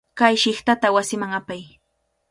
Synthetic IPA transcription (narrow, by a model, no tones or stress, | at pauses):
kajʃɪχt̪at̪awasɪmaŋapaj